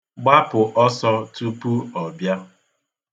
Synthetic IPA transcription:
ɡ͡ba˦pʊ˨ʔɔ˦sɔ˦tu˦pu˦ɔ˨bja˦

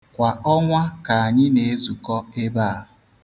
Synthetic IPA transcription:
kʷa˨ʔɔ˦ŋʷa˦ka˨a˨ɲɪ˦ne˨e˦zu˨kɔ˦e˦ba˦˨

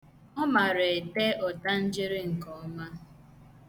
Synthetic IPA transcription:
ɔ˦ma˨ɾe˨e˨te˦ɔ˨ta˦n̩˦d͡ʒɪ˦ɾɪ˦ŋ̩˨kɔ˨ɔ˦ma˦

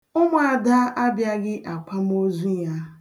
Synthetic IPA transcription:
ʊ˦mʊ˦a˨da˦ʔa˦bja˦ɡɪ˦ʔa˨k͡pa˦m̩˦o˦zu˦ja˦

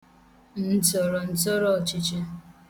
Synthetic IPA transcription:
n̩˨tɔ˨ɾɔ˨n̩˦tɔ˦ɾɔ˦˨t͡ʃɪ˦t͡ʃe˦

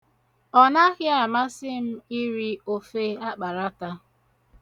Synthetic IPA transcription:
ɔ˦na˦ɣɪ˦a˨ma˦sɪ˦m̩˦i˦ɾi˦o˦fe˦a˦k͡pa˨ɾa˦ta˦

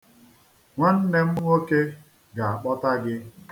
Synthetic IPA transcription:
ŋʷa˦n̩˦ne˦m̩˦ŋo˦ke˦ | ɡa˨a˨k͡pɔ˦ta˦ɡɪ˦

